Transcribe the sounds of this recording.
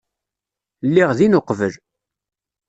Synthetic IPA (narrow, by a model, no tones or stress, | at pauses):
lːiʁðinoqvəl